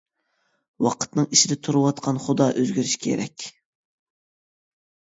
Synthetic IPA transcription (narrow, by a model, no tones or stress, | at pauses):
wɑqʰə̥t̪nɨŋiʃɪd̪ɛt̪ʰuɾɨwɑt̪qʰɑnχʊd̪ɑːʔøzɡʲyɾyʃkʲʰḛɾɛ̰kʲ